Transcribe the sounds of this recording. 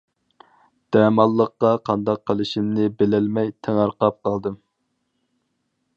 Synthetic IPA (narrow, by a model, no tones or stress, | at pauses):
d̪̥ɛːmɑlˠːəqːɑqʰɑnd̪ɑq̚ʰːəlˠɨʃimnɪbelɛlmɛjt̪ʰeŋɑɾqɑp̚qʰɑlˠd̪ɨm